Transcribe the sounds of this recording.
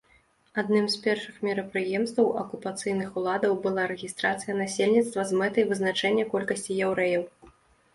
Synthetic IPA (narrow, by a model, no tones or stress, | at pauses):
ad̪nɨmspʲɛrʂɨxmʲiɾɐpɾɨjɛmst̪vɐwɐkupat̪sɨjnɨxulˠad̪ɐwbɨlˠaɾɛɣʲist̪ɾat̪sɨjɐnasʲelʲnʲit̪st̪vɐzmɛt̪ɐjvɨznat͡ʂɛnʲːɐkɔlʲkɐsʲt͡sʲijɛwɾɛjɐw